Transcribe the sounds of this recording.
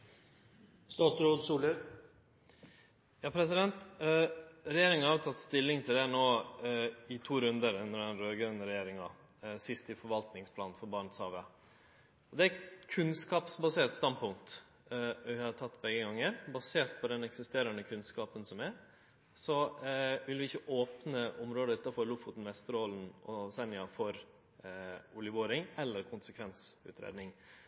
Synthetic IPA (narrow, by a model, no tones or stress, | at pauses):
st̪ɑːt̪sɾoːd̪suːləɾ | jɑːpʰɾɛs̬ɪd̪ɛnt̪ | ɾɛjeːɾɪŋənhɑʋɾt̪ʰɑt̪ːst̪ɪlːɪŋt̪ʰɪld̪ɛnoː | ɪt̪ʰuːɾʉnd̪əɾʉnəɖ̪ɛnɾøːɡɾœnɾɛjeːɾɪŋɑ | sɪst̪ɪfɔɾʋɑlt̪nɪŋspʰlɑːnnfɔɾbɑːɳt̪shɑːʋə | ɔd̪ɛækʰʉnskɑːpsbɑseːʈ̪st̪ɑnpʰʊŋt̪ | ʋɪhɑʈ̪ʰɑt̪ːbɛɡəɡɑŋːəɾbɑseːʈ̪pʰɔd̪ɛnɛksɪst̪eːɾənəkʰʉnskɑːpənsɔmæɾ | sɔʋɪlʋɪɪçːəʔoːpnəʊmɾoːd̪əʉːt̪ɑfɔɾlʊfʊt̪n̩ʋɛst̪əɾoːln̩ɔsɛnɪɑfɔɾ | ʊlɪʋoːɾɪŋɛlːəɾkʰʊnsəkʰʋɛnsʉ̰ːt̪ʰɾḛːd̪nɪŋ